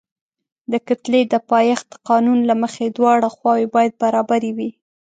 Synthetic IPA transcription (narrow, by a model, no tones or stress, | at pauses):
d̪əkat̪led̪əpɑjɑxd̪əqɑnunlaməxed̪wɑɽaxwɑwebɑjad̪̚baɾɑbaɾewi